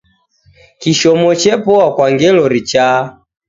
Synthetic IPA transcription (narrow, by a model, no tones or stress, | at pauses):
kiʃɔmɔt͡ʃɛpɔakwaŋɡɛlɔɾit͡ʃa